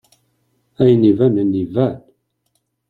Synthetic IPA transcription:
æjnivænənːivæn

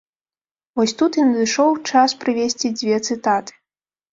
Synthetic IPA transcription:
vɔsʲt̪ut̪jinɐd̪ɨʂɔwt͡ʂaspɾɨvʲesʲt͡sʲid͡zʲvʲɛt̪sɨt̪at̪ɨ̥

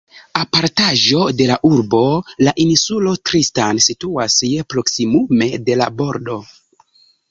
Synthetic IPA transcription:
apaɾtaʒo̞de̞laʔuɾbo̞laʔinsulo̞tɾistansituasje̞pɾo̞ksimume̞de̞labo̞ɾdo̞

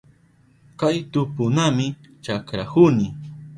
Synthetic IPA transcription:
kajt̪ʊpʊnamɪ | t͡ʃakɾakʊnɪ

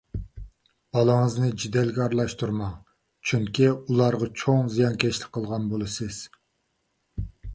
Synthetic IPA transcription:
b̥ɑlˠəŋəznɨd͡ʒid̪ɛlɡʲɛɑɾlˠɑʃt̪uɾmɑ | t͡ʃʰyŋkʲiulˠɑɾʁɑt͡ʃʰoŋzijɑnkʲʰɛt͡ʃlɪk̚ʲqʰːəlˠʁɑnbolˠɨsɪz̥

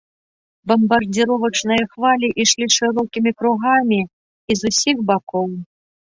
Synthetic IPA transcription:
bɐmbɐrd͡zʲiɾɔvɐt͡ʂnɨjɐxvalʲiʔiʂlʲiʂɨɾɔkʲimʲikɾuɣamʲiː | zusʲiɣbakɔw

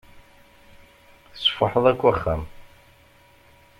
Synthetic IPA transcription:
θəsfaħəðˤækʷːæχːæm

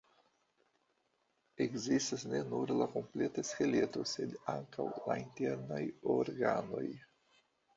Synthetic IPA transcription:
ekzistasne̞nuɾlako̞mple̞taskele̞to̞se̞d̪aŋka̰wla̰inte̞ɾnajoɾɡa̰no̞̰j

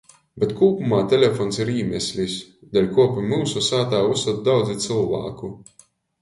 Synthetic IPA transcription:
bʲet̪kuːpumaːt̪ʲelʲefɔnsiɾiːmʲɛsʲlʲisd̪alʲkuɔpimuːsusaːt̪aːusat̪d̪awd̪zit̪sɨlˠva̰ːku

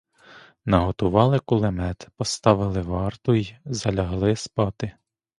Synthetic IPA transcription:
nɐɦɔt̪ʊʋɑlˠɪkʊlˠemɛt̪pɔst̪ɑʋɪlˠɪʋɑrt̪ʊjzɐlʲɐɦlˠɪspɑt̪ɪ

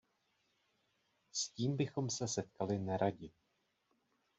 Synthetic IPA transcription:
sciːmbɪxo̞msɛsɛt̪kalɪnɛɾʔaɟɪ

